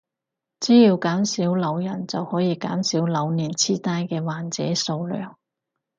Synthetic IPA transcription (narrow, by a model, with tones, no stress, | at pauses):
t͡siː˨˥jiː˧wkaː˨˥msiː˨˥wlɐ˨˧wjɐ˨˩nt͡sɐ˨whɔː˨˥jiː˨˧ka̰ː˨˥msiː˨˥wlɐ˨˧wniː˨˩nt͡sʰiː˥t̪aː˥jkɛː˧waː˨˩nt͡sɛː˨˥so˧wlœ̰ː˨˩ŋ